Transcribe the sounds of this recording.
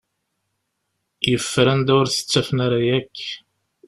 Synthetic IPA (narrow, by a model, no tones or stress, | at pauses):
jəfːɾænd̪ʊɾθə̥t͡sːæfənaɾajækː